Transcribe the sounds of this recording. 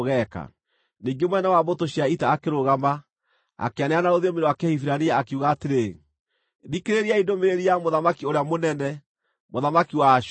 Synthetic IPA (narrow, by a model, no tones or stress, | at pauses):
ɣɛka̰ | niŋɡemwɛnɛwabotoɕiaitaːkeɾoɣama | a̰keaneanaɾoðiomeɾoakɛhifiɾaniaːkeuɣaːteɾe | ɾikeɾeɾiaindomeɾeɾiamoðamakioɾeamonɛnɛ | moðamakiwa